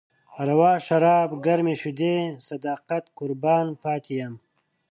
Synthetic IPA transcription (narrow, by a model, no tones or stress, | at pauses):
ɐɾɐwaːʂɐɾaːbɡɐɾmiɕud̪eːsɐd̪aːqɐt̪kʊɾbaːnpaːt̪ʰijɐm